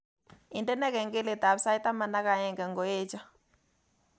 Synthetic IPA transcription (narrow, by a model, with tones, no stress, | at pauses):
ɪ˨ndɛ˦nɛ˦kɛ˨ŋɡɪ˦le˨ta˨bsa˦jta˦ma˨na˦ka˨jɛ˨ŋɡɛ˨ŋɡo˨e˦t͡ʃɔ˦